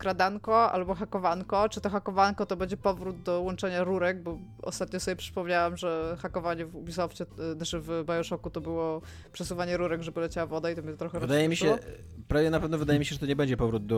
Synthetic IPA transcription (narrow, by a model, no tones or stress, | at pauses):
kɾad̪aŋkɔa̰lbɔxakɔvankɔt͡ʂɨt̪ɔxakɔvankɔt̪ɔbɛɲd͡ʑɛpɔvɾud̪̚d̪ɔwɔnt͡ʂɛɲaɾuɾɛɡ̚bɔ | ɔ̰st̪at̪̚ɲɔsɔbʲɛpʂɘ̥pɔmɲawamʐɛxakɔvaɲɛvubʲisɔft͡ɕɛnat͡ʂɨvbajɔʂɔkut̪ɔbɘwɔ | pʂɛsuvaɲɛɾuɾɛɡʐɛbɨlɛt͡ɕawavɔd̪ait̪ɔmʲiɛt̪ɔt̪ɾɔxɛɾɔd̪ajɛmʲiɕɛɔ | pɾavʲjɛnapɛvnɔvɘd̪ajɛmʲiɕɛʐɛt̪ɔɲɛbɛɲd͡ʑɛpɔvɾud̪̚d̪ɔ